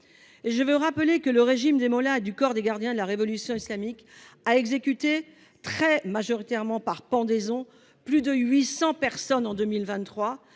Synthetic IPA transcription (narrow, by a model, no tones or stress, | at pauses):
eʒəvøʁapəlekələʁeʒimd̪emɔlaed̪ykɔʁd̪eɡaʁd̪jɛ̃d̪əlaʁevɔlysjɔ̃islamik | aɛɡzekʲyt̪e | t̪χɛmaʒɔʁit̪ɛʁmɑ̃paʁpɑ̃d̪ezɔ̃ | plyd̪əɥisɑ̃pɛʁsɔnɑ̃d̪ømilvɛ̃t̪ːχwa